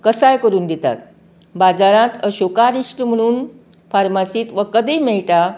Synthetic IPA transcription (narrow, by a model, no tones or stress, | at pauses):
kəsajkəɾuːnd̪et̪a̰t̪̚ | bad͡zaɾãt̪əɕokaɾiʂʈəm̤əɽ̃uːn | faɾmasiːt̪ʋəkəd̪ijmɛɭʈ̪a